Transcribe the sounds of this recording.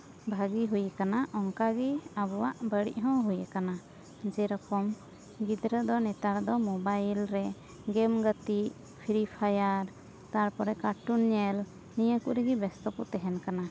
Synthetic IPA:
bʱaɡiɦujəkanaʔɔŋkaɡiabɔwaʔbəɽḭʔ̚ɦɔ̃ɦujəkana | d͡ʒɛɾɔkɔm | ɡid̪ɾəd̪ɔnɛt̪aɾd̪ɔmɔbajlɾɛ | ɡɛmɡət̪i | pʰiɾipʰajaɾ | t̪aɾpɔɾɛkaʈunɲɛl | nijəkuʔɾɛɡibɛst̪ɔput̪ɛɦɛnkana

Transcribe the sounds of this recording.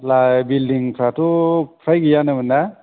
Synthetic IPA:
labildiŋpʰɾatupʰɾajɡijanɯbɯna

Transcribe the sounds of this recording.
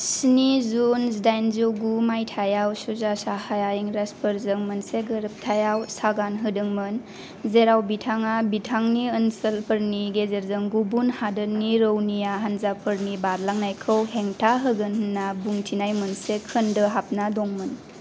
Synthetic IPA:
sinizunsdajnzowɡumajtʰajawsuzasahajajiŋɾaspʰəɾzɯŋmənseɡəɾəp̚tʰajawsaɡanɦɯdɯŋmɯn | zeɾawbitʰaŋabitʰaŋniənsəlpʰəɾniɡezeɾzɯŋɡubunhadəniɾəwnijaɦanzapʰɯɾnibaɾlaŋnajkʰəwɦeŋtʰaɦɯɡɯnɦɯnːabuŋtʰinajmɯnsekʰɯndɯɦap̚nadɔŋmɯn

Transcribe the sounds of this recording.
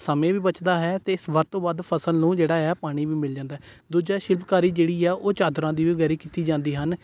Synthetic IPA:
səmẽːʋiːbət͡ʃd̪aːɦɛːt̪eːɪsʋət̪ːõːʋad̪pʰəsəlnũːd͡ʒeːɽaːɦɛːpaːɽ̃iːʋiːmɪld͡ʒãːnd̪aːɦɛː | d̪uːd͡ʒaːʃɪlpkaːɾiːd͡ʒeːɽiːɛːʔoːt͡ʃaːd̪ɾãːd̪iːʋiːɡɛːɾiːkiːt̪iːd͡ʒãːnd̪iːɦən

